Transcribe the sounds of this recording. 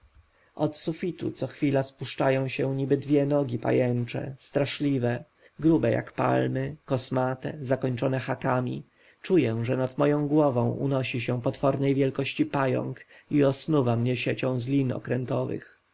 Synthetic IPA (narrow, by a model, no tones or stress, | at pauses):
ʔɔt̪sufʲit̪ṵt̪sɔxfʲilaspuʂt͡ʂajɔ̃w̃ɕɛ̃ɲibɘd̪vʲjɛnɔɡʲipa̰jɛnt͡ʂɛ̰st̪ɾaʂlʲivɛ | ɡɾubɛja̰kpa̰lmɘkɔsmat̪ɛzakɔɲt͡ʂɔnɛxakamʲḭ | t͡ʂujɛʐɛnat̪mɔjɔ̃w̃ɡwɔvɔ̃w̃ʔṵnɔɕiɕɛpɔt̪fɔɾnɛjvʲjɛlkɔɕt͡ɕipajɔ̰ŋk | iɔsnuvamɲɛɕet͡ɕɔ̃w̃zlʲinɔ̰kɾɛnt̪ɔvɘ̰x